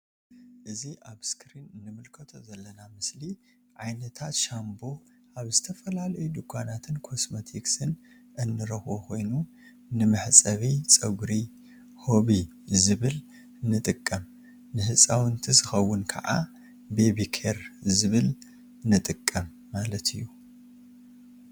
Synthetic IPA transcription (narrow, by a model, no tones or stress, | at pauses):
ʔɨziʔaβskʰɾinɨnːɨmɨlkʰɐt̪ʰo̞zɐlːɐnamɨsli | ʕajnɐt̪ʰat̪ʃambo̞ | ʔaβzɨt̪ʰɐfɐlalɐjud̪ukʰʷːanat̪ʰɨnkʰo̞smot̪ʰiksɨn | ʔɨnːɨɾɐxʔokʰo̞jnu | nɨmɨħt͡sʼɐβit͡sʼɐɡɾi | ho̞βi | zɨβɨl | nɨt̪ʼɨkʼːɐm | nɨhɨsʼawɨnt̪ʰizɨxɐwːʊnkʰɐ̰ʕa̰ | bebikʰeɾzɨβɨl | nɨt̪ʼɨkʼːɐmːalɐt̪ʰɨjːu